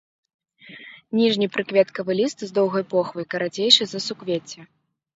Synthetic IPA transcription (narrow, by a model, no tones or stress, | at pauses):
nʲiʐnʲipɾɨkvʲɛt̪kɐvɨlʲist̪zd̪ɔwɣɐjpɔxvɐjkɐɾad͡zʲejʂɨzɐsukvʲet͡sʲːɛ